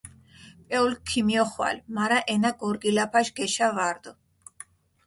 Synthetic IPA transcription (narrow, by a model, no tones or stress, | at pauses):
pʼɛulkʰːimiɔχwa̰lmaɾaʔɛnaɡɔɾɡilapʰaʃɡɛʃavaɾd̪ɔ